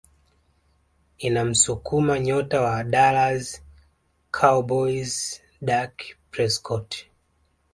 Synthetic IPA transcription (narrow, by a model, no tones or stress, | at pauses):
inam̩sukumaɲɔtawaɗalaz | kʰabɔiz | ɗakpɾɛskʰɔt